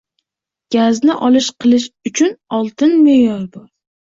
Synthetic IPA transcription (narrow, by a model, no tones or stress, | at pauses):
ɡ̥ʲaznɪʔɒlɪʃqʰɨlˠɪʃʊt͡ʃʰʊnɒlˠt̪ɪnmejɒɾbɒɾ